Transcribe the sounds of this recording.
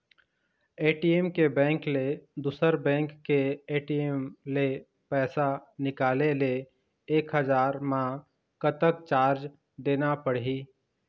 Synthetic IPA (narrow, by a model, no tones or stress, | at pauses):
eːʈiemkebɛ̃ːŋkled̪uːsəɾbɛ̃ːŋkːeeːʈiemle | pɛːsanɪkaːlele | eːkɦəd͡ʒaːɾmã | kət̪ək̚t͡ʃaːɾd͡ʒ | d̪eːnapəɽɦiː